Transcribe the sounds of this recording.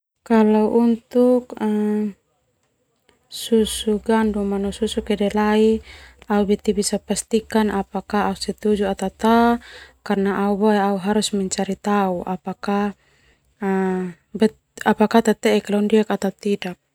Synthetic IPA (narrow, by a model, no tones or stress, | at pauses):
kalauʔunt̪uk | susuɡandumanususukɛdɛlaiaubɛt̪ibisapast̪ikanapakaːusɛt̪ud͡ʒuat̪at̪akarnaʔaubaeauɦaɾusmɛɲt͡ʃaɾit̪auʔapaka | bɛ | apakat̪at̪ɛɛkalaundiakat̪at̪idak̚